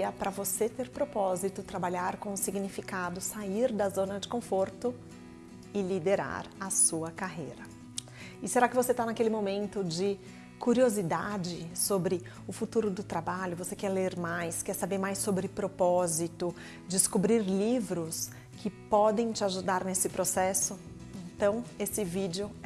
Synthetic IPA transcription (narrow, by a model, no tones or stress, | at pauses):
ɐpɾɐvoset̪eɾpɾopɔzit̪ʊt̪ɾabaʎaɾkõʊsiɡnifikad̪ʊsaiɾd̪ɐzõnɐd͡ʒɪkõfoɾt̪ʊ | ɪlid̪eɾa̰ɾɐsuɐkaɦejɾɐ | ɪseɾakɪvoset̪anakelɪmomẽnt̪ʊd͡ʒɪ | kuɾiozid̪ad͡ʒɪsobɾɪ | ʊfut̪uɾʊd̪ʊt̪ɾabaʎʊvosekɛɾleɾmajskɛɾsabeɾmajsːobɾɪpɾopɔzit̪ʊ | d͡ʒɪskubɾiɾlivɾʊs | kɪpɔd̪ẽj̃t͡ʃɪaʒud̪aɾnesɪpɾosɛsʊ | ẽnt̪ɐ̃w̃esɪvid͡ʒɪʊ